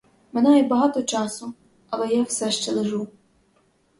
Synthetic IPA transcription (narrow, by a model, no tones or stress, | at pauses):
menɑjɛbɐɦɑt̪ɔt͡ʃɑsʊ | ɐlˠɛjawsɛʃt͡ʃɛlˠeʒu